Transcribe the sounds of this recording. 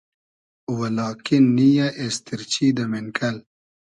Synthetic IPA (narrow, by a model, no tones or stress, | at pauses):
wɐlɑːkinːijaʔest̪iɾt͡ɕid̪ɐmenkɐl